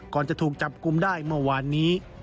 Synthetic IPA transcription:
kɔː˨˩nt͡ɕa˨˩t̪ʰuː˨˩k̚t͡ɕa˨˩p̚ku˧mdaː˥˩jmɯ˥˩ɐwaː˧nːiː˦˥

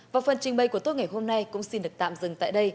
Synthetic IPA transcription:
vaː˨˩wfə˨˩nt͡ɕï˨˩ŋɓə˨˩jku˧˩ət̪o˦˥ŋa˨˩jɦo˧mna˧jkʊ̰˧˥ŋ͡msi˧nɗɨ˨˩ək̚t̪a̰ː˧˨mzɨ˨˩ŋt̪a̰ː˧˨jɗə˧j

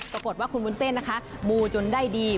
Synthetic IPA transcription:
pɾa˧ko˨˩t̪waː˥˩kʰu˧nwuː˧˥˦nse˥˩nːa˦˥kʰa˦˥ʔmuː˧t͡ɕo˧ndaː˥˩jdiː˧

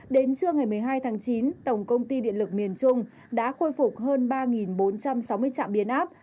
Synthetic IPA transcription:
ɗe˨˦nt͡ɕɨ˧əŋa˨˩jmɨ˨˩əjɦaː˧jt̪ʰaː˨˦ŋt͡ɕi˨˦nt̪ə˨˩wŋ͡mkə˧wŋ͡mt̪i˧ɗḭ˧˨ənlɨ˨˩k̚mi˨˩ənt͡ɕʊ˧ŋ͡m | ɗa̰ː˧˥xo˧jfʊ˨˩k͡p̚ɦəː˧nɓaː˧ŋi˨˩nɓo˨˦nt͡ɕa˧msa˨˦wmɨ˧əjt͡ɕa̰ː˧˨mɓi˧˩ənʔaː˦˥p̚

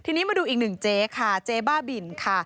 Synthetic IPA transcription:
t̪ʰiː˧niː˦˥maː˧duː˧ʔiː˨˩k̚nɯ˨˩ŋt͡ɕeː˦˥kʰa˥˩t͡ɕeː˦˥baː˥˩bi˨˩nkʰa˥˩

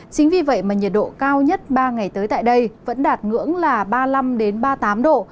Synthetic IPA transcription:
t͡ɕï˨˦ŋ̟vi˨˩və̰˧˨jmaː˨˩ɲi˨˩ət̚ɗo̰˧˨kaː˧wɲə˦˥t̚ɓaː˧ŋa˨˩jt̪əː˨˦jt̪a̰ː˧˨jɗə˧jvə̰˧˥nɗaː˨˩t̚ŋɨ̰˧˥əŋlaː˨˩ɓaː˧la˧mɗe˨˦nɓaː˧t̪aː˨˦mɗo̰˧˨

